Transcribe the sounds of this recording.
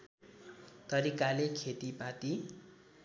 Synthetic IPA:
t̪ʌɾikalekʰet̪ipat̪i

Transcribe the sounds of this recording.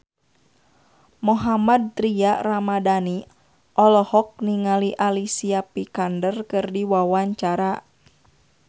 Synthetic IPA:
muɦamad̪̚t̪ɾiaramadani | ʔɔlɔhɔk̚niŋaliʔalisiapikandərkɨrdiwawaɲt͡ʃaɾa

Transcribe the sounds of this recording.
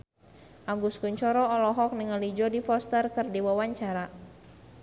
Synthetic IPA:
ʔaɡuskuɲt͡ʃɔɾɔɔlɔɦɔk̚nəŋəlid͡ʒɔdifɔst̪ərkɨrdiwawaɲt͡ʃaɾa

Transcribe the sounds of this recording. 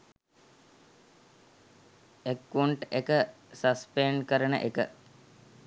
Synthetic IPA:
ekːuɳʈekə | sɐspeɳkəɾənə̰ʔekə

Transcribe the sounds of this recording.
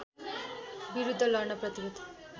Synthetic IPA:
biɾud̪ʱːʌlʌɾɳʌprʌt̪iɾud̪ʱ

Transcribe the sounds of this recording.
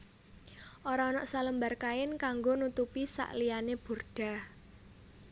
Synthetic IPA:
ʔoɾaːnɔʔsaləmbarkaɪnkaŋɡonut̪upisa̰ʔlijaneb̥o̤rɖ̥a̤h

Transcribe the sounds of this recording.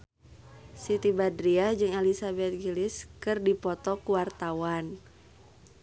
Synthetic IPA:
sit̪ibadɾiahd͡ʒɨŋɛlisabɛt̪̚ɡiliskɨrdipɔt̪ɔkuwart̪awan

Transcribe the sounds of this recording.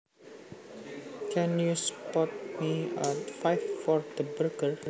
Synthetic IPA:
kʰɛ̃njuspɔt̚miətfajffɔɹd̪əbɾokəɹ

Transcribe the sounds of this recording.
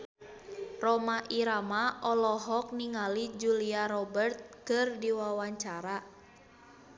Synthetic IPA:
rɔmaʔiɾamaʔɔlɔɦɔk̚niŋalid͡ʒuliaɾɔbərt̪̚kɨrdiwawaɲt͡ʃaɾa

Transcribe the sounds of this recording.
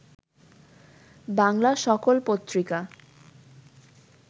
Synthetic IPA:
baŋlaʃɔkolpot̪ːɾika

